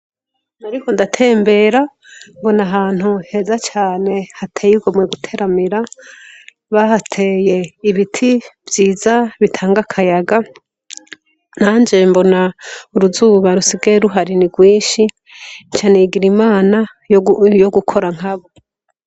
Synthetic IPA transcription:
naɾikondatʰe̞ːmbe̞ːɾa | mbo̞naɦaːn̥huhe̞zat͡ʃaːne̞hatʰejiɡomweɡutʰe̞ɾamiɾa | βahatʰe̞je̞iβitʰibjiːzaβitʰaːŋɡakʰajaɡa | n̥aːnd͡ʒe̞mbo̞nauɾuzuβaɾusiɡeɾuɦaɾiniɡwiːʃi | t͡ʃaneiɡiɾimaːna | jjoɡukʰo̞ɾaŋ̥aβo

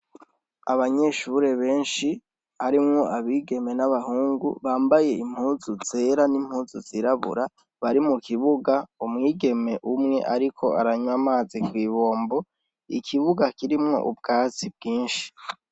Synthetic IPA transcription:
aβaɲe̞ʃuɾe̞βe̞ːnʃi | haɾimŋo̞ʔaβiːɡe̞me̞naβahuːŋɡṵβaːmbaje̞im̥huːzuze̞ːɾanim̥huːzuziɾaβṵɾa | βaɾimukiβuɡaumŋiːɡe̞me̞ʔumŋe̞̰ʔaɾikʰo̞a̰ɾaɲwamaːzikwiːβo̞ːmbo̞ | ḭkʰiβuɡakiɾimŋo̞̰ʔṵb̚ɡaːt͡sib̚ɡiːnʃi̥

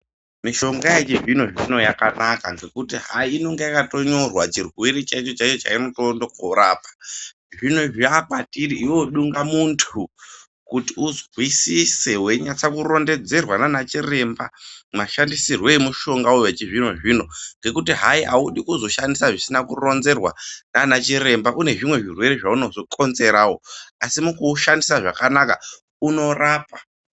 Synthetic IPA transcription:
miʃo̞ŋɡajet͡ʃiʐino̞ʐino̞jakanakaŋɡe̞kutiɦaiːno̞ŋɡejakato̞ɲo̞rwat͡ʃirwiɾit͡ʃait͡ʃo̞t͡ʃat͡ʃo̞t͡ʃa̰ino̞tondokʰoɾaːpḁ | ʐino̞ʐiakatiɾiʔiwoɗuŋɡamuntʰu | kutiuzwisise̞we̞ɲat͡sakuro̞nde̞d͡ze̞rwananat͡ʃire̞mbamaʃandisirwe̞muʃo̞ŋɡauwet͡ʃiʐino̞ʐiːno̞ŋɡe̞kutiɦaiʔauɗikuzo̞ʃandisaʐisinakuro̞nze̞rwa̰nanat͡ʃire̞mbaʔune̞ʐimwe̞ʐirwe̞ɾeʐauno̞zo̞ko̞nze̞ɾaːwo̞asimukuʃandisaʐakanaka̰ | uno̞raːpḁ

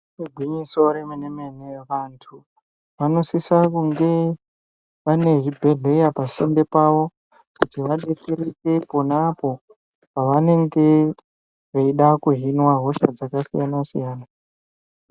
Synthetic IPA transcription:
ruɡʱwiɲisoɾemeneme̞neʋantʰu | ʋano̞sisakuŋɡe̞ | ʋane̞ɦibʱe̞ɮe̞japasende̞paʋo̞ | kutiʋaɗet͡seɾeke̞ponapo̞ | paʋane̞ŋɡe̞ | ʐeiɗakuɦinwaɦoʃa̰d͡zakasijanasijaːna

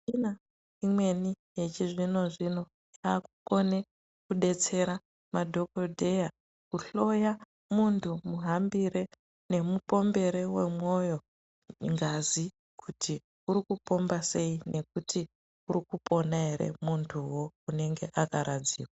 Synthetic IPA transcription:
ina | imwe̞ni | jet͡ʃiʐino̞ʐino̞ | akuko̞ne̞ | kuɗe̞t͡se̞ɾa | madʱo̞kodʱe̞ja | kuɬo̞ja | muntʰumuɦambiɾe̞ | ne̞mupo̞mbe̞ɾe̞we̞̰mwo̞jo̞ | ŋɡazi | kʰuti | uɾikupo̞mbase̞ine̞k̚uti | urikupo̞naɦe̞ɾḛmuntʰuwo̞une̞ŋɡe̞ʔakaɾad͡zḭːkwa

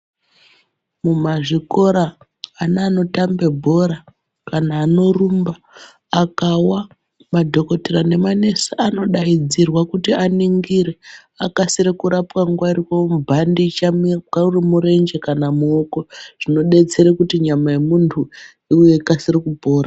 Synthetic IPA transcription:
mumaʐiko̞ɾaː | naːno̞tambe̞bʱo̞ɾa | kanaːno̞rumbaː | kawa | madʱo̞ko̞terane̞mane̞saano̞ɗaid͡zirwakutianiŋɡiɾe̞ | akasiɾekuɾapwaŋɡwarikamubʱandit͡ʃamkaurimuɾe̞nd͡ʒe̞kanamuoko̞ʐ̥ino̞ɗe̞t͡se̞ɾekutiɲamajemuntʰu | iwe̞ikasirikubʱo̞ːɾa

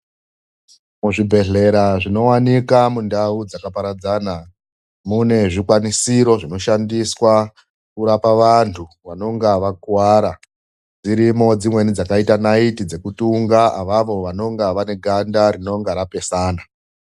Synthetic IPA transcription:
muʐibʱe̞ɮe̞ɾaʐino̞wanikamundaud͡zakapaɾad͡zaːna | mune̞ʐikwanisiɾo̞ʐino̞ʃandiswa | kuɾapaʋantʰuʋano̞ŋɡaʋakwaɾa | d͡ziɾimo̞d͡zimwe̞nid͡zakaitanaitid͡ze̞kutuŋɡaaʋaʋo̞ʋano̞ŋɡaʋane̞ɡʱandaɾino̞ŋɡaɾape̞saːna

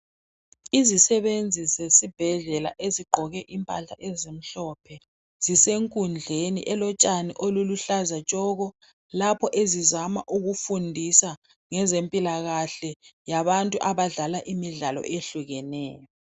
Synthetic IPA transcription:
izisɛβend͡zʱisɛsib̥ʱɛɮɛla̰ʔeziɡ͡ǃʱɔɣɛʔimpʼaɬa̰ʔɛzem̩ɬɔpʰɛ | z̥iseŋkʼund͡ɮʱenḭʔɛlɔt͡ʃʼaniʔoluluɬazat͡ʃʼɔɣɔ | lapʰɔʔezizamaʔuɣufundʱisa | ŋɛzempʼilaɣaɬɛjaβantʼuʔaβaɮalaʔimiɮalɔ̰ʔeɬuɣɛnɛ̰ːjɔ

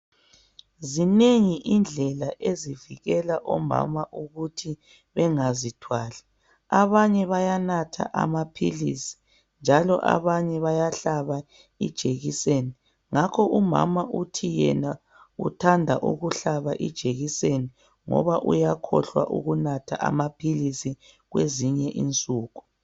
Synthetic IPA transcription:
zineŋiʔind͡ɮʱɛlaʔeziviɣɛlaʔɔma̰maʔuɣutʰi | βɛŋazitʰwaːlɛ | aβaɲɛβajanatʰa̰ʔa̰mapʰilisi̥ | nd͡ʒʱalɔ̰ʔa̰βaɲɛβajaɬaβa | id̥ʒ̥ʱeɣiseni | ŋakʰɔʔuma̰maʔutʰijɛna | utʰandʱaʔṵɣuɬaβaʔḭd̥ʒ̥ʱeɣiseni | ŋɔ̰βaʔujakʰɔɬwa̰ʔṵɣunatʰaʔa̰mapʰilisi | ɣweziɲɛʔint͡sʼuːɣu

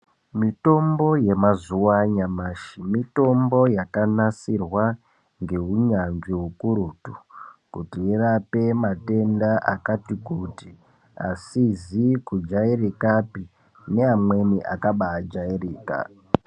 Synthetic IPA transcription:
mito̞mbo̞je̞mazuwaɲamaːʃimito̞mbo̞jakanasirwa | ŋɡe̞ɦuɲanʐiɦukuɾutukutiirape̞mate̞ndaʔakatikuti | a̰sizikud͡ʒairikapi | ne̞amwe̞niʔa̰kaɓaːd͡ʒairiːka̰

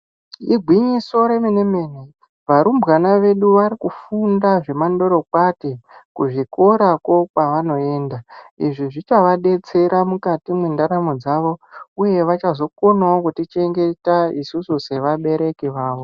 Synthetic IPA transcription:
iɡʱwiɲiso̞ɾe̞mineme̞ne | ʋaɾumbɣanaʋe̞ɗuʋaɾikufundaʐe̞mando̞ɾo̞kwatikuʐiko̞ɾako̞kaʋano̞e̞ːndaḭʐiʐit͡ʃaʋaɗe̞t͡se̞ɾamukatimendaɾamod͡zaʋo̞uje̞ʋat͡ʃazo̞ko̞naokutit͡ʃe̞ŋɡe̞taisususe̞ʋaɓe̞ɾe̞kiʋaːʋo̞

